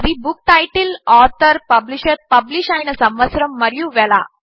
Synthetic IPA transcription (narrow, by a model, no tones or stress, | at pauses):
d̪ibuk̚ʈajʈilɔɾt̪əɾpəbliɕəɾpəbliɕãjnəsɐ̃mʋəsɾəmːəɾjũʋɛla̰